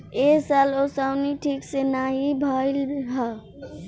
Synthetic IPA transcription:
esalosaʊniʈʰiːksenaːɦibʱaɪlbʱa

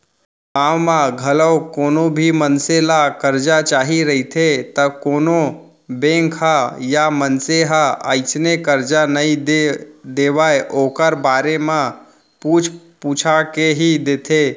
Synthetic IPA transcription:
ɡaːmmãɡʱələwkoːnobʱimənselakəɾd͡ʒat͡ʃaːɦiɾəɦit̪ʰet̪əkoːno | bẽːŋkɦajamənseɦaəːɪt͡ʃnekəɾd͡ʒanəi | d̪eːʋaeʔoːkəɾbaːɾemã | puːt͡ʃʰ | puːt͡ʃʰakeɦid̪eːt̪ʰeː

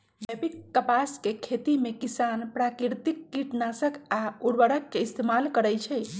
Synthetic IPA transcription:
bepikːəpaskekʰet̪imekisanpɾakiɾt̪ikːiʈnasəkauɾbəɽəkːeist̪emalkəɾəjt͡ʃʰɛ

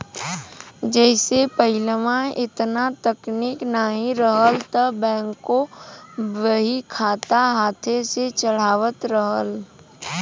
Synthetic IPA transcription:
d͡ʒɛːsepəɪlmãɪt̪nat̪əkniːknaɦĩɾəɦəlt̪əbɛ̃ːŋkːo | ʋəɦikʰaːt̪aɦaːt̪ʰeset͡ʃəɽ̤aːʋət̪ɾəɦəl

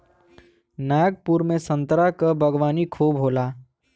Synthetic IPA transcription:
naɡ̚puɾmesə̃nt̪ɾakəbʱəɡʋaːnikʰubɦola

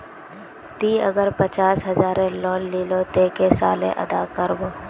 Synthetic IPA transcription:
t̪iːəɡəɾpət͡ʃaːsɦɐzaːɾẽlɔːlːiːlot̪eːkesa̰ːlḛ̃ʔɐ̰d̪aːkəɾboː

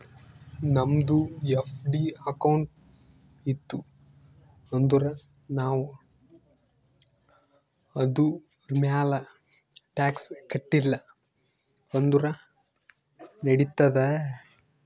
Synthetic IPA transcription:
nɐmd̪uefɖiɐkɐwɳʈ | it̪ːu | ond̪uɾɐ | naːʋu | ɐd̪u | ɾmjaːlɐ | ʈaːkskɐʈːilːɐ | ond̪uɾɐ | nɐɽit̪ːɐd̪e

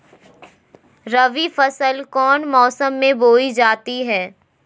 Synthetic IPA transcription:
ɾɐʋifɐsəlkɔːnmɔːsəmːẽboːid͡ʒaːt̪iɦɛː

